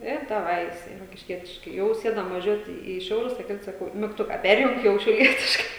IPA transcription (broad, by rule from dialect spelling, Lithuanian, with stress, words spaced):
ɪ dɐˈʋɐɪ jɪˈsɐɪ roːkʲɪʃʲˈkʲiɛtʲɪʃkɐɪ ˈjɛʊ ˈsʲeːdɐm ʋɐˈʒʲuɔtʲɪ iː ˈʃʲɛʊlʲʊs tɐɪ ˈkɐɪp sɐˈkɐʊ mʲɪkˈtʊkɐ ˈpʲɛrʲjʊŋk ˈjɛʊ ʃʲɛʊˈlʲiɛtʲɪʃkɐɪ